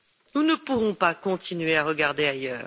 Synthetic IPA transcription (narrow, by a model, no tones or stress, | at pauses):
nunəpuʁɔ̃pakɔ̃t̪ʰinɥeaʁəɡaʁd̪eajœː